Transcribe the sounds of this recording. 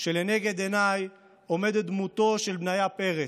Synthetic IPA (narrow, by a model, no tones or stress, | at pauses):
ʃelene̞ɡe̞d̪enaj | o̞me̞d̪ed̪mut̪o̞ʃe̞lbnajape̞ʁe